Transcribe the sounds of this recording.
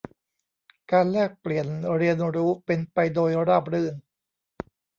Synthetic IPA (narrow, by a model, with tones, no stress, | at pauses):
kaː˧nlɛː˥˩k̚pli˨˩ənɾi˧ənɾuː˦˥pe˧npa˧jdoː˧jɾaː˥˩p̚ɾɯ˥˧˩ŋ